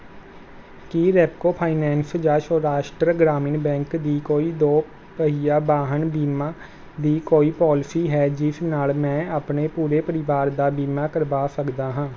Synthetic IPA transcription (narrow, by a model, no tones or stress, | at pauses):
kiːɾɛːp̚koːpʰaːinɛ̃ːnsd͡ʒaːʃɔːɾaːʃʈɾəɡɾaːmiːnbɛ̃ːŋkd̪iːkoːiːd̪oː | pəɦiːjaːbaːɦənbiːmaː | d̪iːkoːiːpɔːlsiːɦɛːd͡ʒɪsnaːlmɛ̃ːaːpneːpuːɾeːpəɾɪʋaːɾd̪aːbiːmaːkəɾʋaːsəkd̪aːɦãː